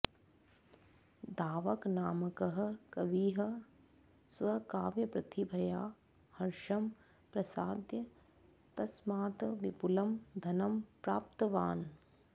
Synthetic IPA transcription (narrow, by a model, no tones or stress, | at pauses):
d̪aːʋɐknaːmɐkɐɦɐ̆kɐʋiːɦɐ̆ | sʋɐkaːʋjɐpɾɐt̪ibʱɐjaː | hɐɾʃɐm | pɾɐsaːd̪jɐ | t̪ɐsmaːt̪ɐʋipulɐmd̪ʱɐnɐmpɾaːp̚t̪ɐʋaːn